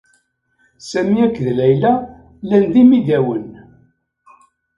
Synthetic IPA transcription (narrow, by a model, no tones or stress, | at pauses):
sæmiækːðlæjlæ | lænðimiðæwən